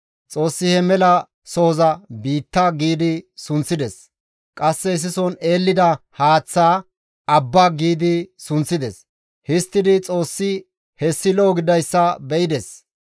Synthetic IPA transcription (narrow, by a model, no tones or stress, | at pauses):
t͡sʼo̞ːsːɪhɛmɛlɐ | soːzɐbiːt̪ːaɡiːd̪ɪsʊnt͡sːɪd̪ɛs | kʼɐsːɛɪs̬ɪsɔne̞ːlːɪd̪ɐhaːt͡sːaː | ɐbːaːɡiːd̪ɪsʊnt͡sːɪd̪ɛs | hɪst̪ːɪd̪ɪt͡sʼo̞ːsːɪ | hɛsːɪloːɡɪd̪ɐjsːɐbɛɪd̪ɛs